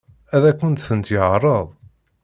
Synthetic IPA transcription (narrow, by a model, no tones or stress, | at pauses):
æðækʷːʊnt̪θənt̪jəʕɾˤəðˤ